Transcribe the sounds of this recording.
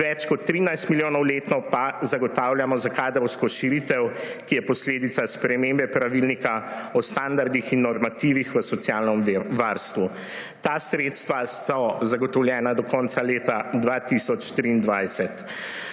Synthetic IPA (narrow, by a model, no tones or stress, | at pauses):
ʋɛt͡ʃkɔt̪ːɾiːnajst̪miljoːnɔwleːt̪nɔpazaɡɔt̪aːwljamɔzakaːd̪ɾɔwskɔʃiɾit̪ɛw | kijɛpɔsleːd̪it̪saspɾɛmeːmbɛpɾaʋilnika | ɔst̪and̪aɾd̪ixinːɔɾmat̪iːʋixʋəsɔt̪sjaːlnɔmʋaɾst̪ʋuː | asɾeːt̪st̪ʋasɔzaɡɔt̪ɔwljɛːnad̪ɔkɔnt̪saleːt̪ad̪ʋat̪isɔt͡ʃt̪ɾiːnd̪ʋajsɛt̪